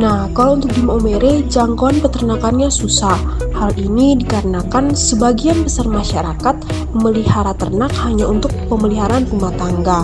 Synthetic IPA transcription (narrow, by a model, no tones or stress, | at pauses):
nahkalount̪ʊk̚dimomeɾed͡ʒaŋkoanpət̪ərnakanɲasusah | halinidikaɾənakansəbaɡianbəsarmaʃaɾakat̪̚ | məlihaɾat̪ərnakhaɲaunt̪ʊk̚pəməliɦaɾanrumat̪aŋɡa